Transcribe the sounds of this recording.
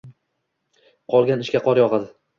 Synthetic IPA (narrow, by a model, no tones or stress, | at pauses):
qʰɒlˠɡʲanɪʃkʲaqʰɒɾjɒʁɑd̪ɪ